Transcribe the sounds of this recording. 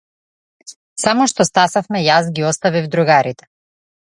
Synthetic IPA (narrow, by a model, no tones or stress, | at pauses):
samɔʃt̪ɔst̪asafmɛjas̬ɡiɔst̪avivd̪ɾuɡaɾit̪ɛ̥